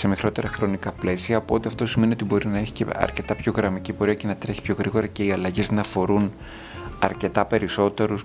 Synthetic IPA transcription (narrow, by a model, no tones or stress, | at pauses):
se̞mixɾo̞t̪e̞ɾɐxɾo̞nikɐple̞siɐːpo̞t̪eɐft̪o̞sime̞niot̪ibo̞ɾinɐeçi̥ceɐ̰ɾce̞t̪ɐpço̞ɣɾɐmicipo̞ɾiɐce̞nɐt̪ɾe̞çi̥pço̞ɣɾiɣo̞ɾɐce̞iɐlɐʝe̞znɐfo̞ɾun | ɐ̰ɾce̞t̪ɐpe̞ɾiso̞t̪e̞ɾus